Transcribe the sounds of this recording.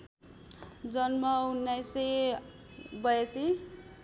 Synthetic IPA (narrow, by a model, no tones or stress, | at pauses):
d͡zʌnmʌunːajse | bʌjesi